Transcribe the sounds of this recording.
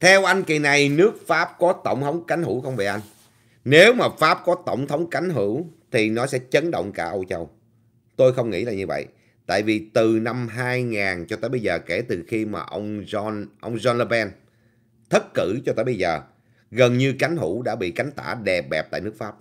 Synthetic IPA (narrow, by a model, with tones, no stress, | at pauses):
t̪ʰɛ˧wʔa˧jŋ̟ki˨˩na˨˩jnɨ˦˥ək̚faː˦˥p̚kɔ˨˦t̪ə̰˧˨wŋ͡mt̪ʰə˨˦wŋ͡mka˨˦jŋ̟hu˧˩wxə˧wvi˨˩ʔa˧jŋ̟ | ne˨˦wmaː˨˩faː˦˥p̚kɔ˨˦t̪ə̰˧˩wŋ͡mt̪ʰə˨˦wŋ͡mka˨˦jŋ̟ɦɨ˧˩˦wt̪ʰi˨˩nɔ˨˦sɛ̰˧˥t͡ɕə˨˦nɗə̰˧˨wŋ͡mkaː˧˩ʔə˧wt͡ɕə˧w | t̪o˧jxə˧wŋ͡mŋḭ˧˥laː˨˩ɲɨ˧və̰˧˨j | t̪a̰ː˧˨jvi˨˩t̪ɨ˨˩na˧mɦaː˧jŋaː˨˩nt͡ɕɔ˧t̪aəː˧˦jɓə˧jzəː˨˩ke˧˩t̪ɨ˨˩xi˧ma̰ː˨˩ʔə˧wŋ͡mɔ˧nʔə˧wŋ͡mzɔ˧nlə˧ɓɛ˧n | t̪ʰə˦˥t̚kɨ˧˩t͡ɕɔ˧t̪a̰ː˧˦jɓə˧jzəː˨˩ | ɣə˨˩nɲɨ˧ka˨˦jŋ̟ɦu˧˩˥ɗa̰ː˧˥ɓḭ˧˨ka˨˦jŋ̟t̪a̰ː˧˩ɗɛ˨˩p̚ɓɛ˨˩p̚t̪ːnɨ˦˥ək̚faː˦˥p̚